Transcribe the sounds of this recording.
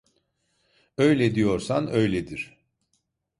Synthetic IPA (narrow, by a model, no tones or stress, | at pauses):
øjlʲed̪ijo̞ɾsanøjlʲed̪iɾ̥